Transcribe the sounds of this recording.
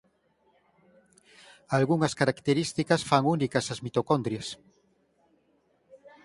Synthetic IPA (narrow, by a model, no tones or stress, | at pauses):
alɣuŋɐskaɾakt̪eɾist̪ikɐsfaŋunikɐsɐzmit̪okond̪ɾjɐs